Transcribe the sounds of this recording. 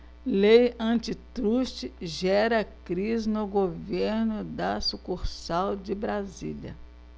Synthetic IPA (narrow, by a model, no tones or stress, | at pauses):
lejɐ̃t͡ʃɪt̪ɾuʃt͡ʃɪʒɛɾɐkɾiznʊɡoveɾnʊd̪ɐsukuɾsawd͡ʒɪbɾazḭlɐ̰